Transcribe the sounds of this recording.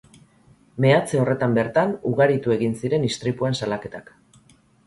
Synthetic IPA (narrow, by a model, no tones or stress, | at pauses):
me̞at͡se̞o̞re̞t̪ambe̞ɾt̪anuɣaɾit̪ue̞ɣinsiɾe̞nist̪ɾipuensalake̞t̪ak